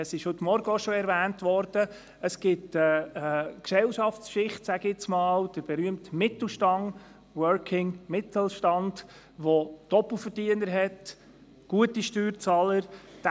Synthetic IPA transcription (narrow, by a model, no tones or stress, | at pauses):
əsɪʃhɵtmɔɾɡəoʃɔɛɾvæːntʋɔɾd̥ə | əsɡ̥ɪtəəksɛlʃɑft͡skʃɪχtsæɡ̥ɪt͡smɑːld̥əɾb̥ɛɾyəmtmɪt̪l̩ʃtɑŋ | wœɾkʰɪŋmɪt̪ʰl̩ʃtɑnd | ʋod̥ɔpl̩fəɾdiənəɾɦɛt | ɡ̥uətiʃtyːɾt͡sɑːləɾd̥